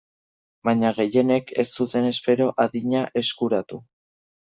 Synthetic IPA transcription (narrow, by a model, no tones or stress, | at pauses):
baɲaɣe̞je̞ne̞kʰe̞stut̪e̞ne̞spe̞ɾo̞ʔaðiɲaʔe̞skuɾat̪u